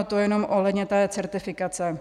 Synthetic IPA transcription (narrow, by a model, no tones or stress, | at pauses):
t̪ojɛno̞mʔo̞ɦlɛdɲɛt̪ɛːt͡sɛɾt̪ɪfɪkat͡sɛ